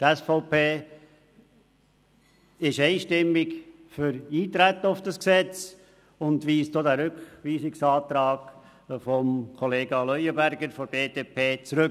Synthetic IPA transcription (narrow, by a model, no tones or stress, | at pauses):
t̪æsfɔʊpeː | ɪʃeɪʃtɪmːɪkfʏɾiːt̪ɾæt̪ːəʊfd̥ɑsksɛt͡s | ʊndʋiːsdoːd̪æɾʏkʋiːsɪksɑːt̪ɾɑːɡ̥ | fɔmkʰɔleːɡɑlœjəbæɾɡəɾfɔb̥eːdeːpʰeːt͡sɾʏk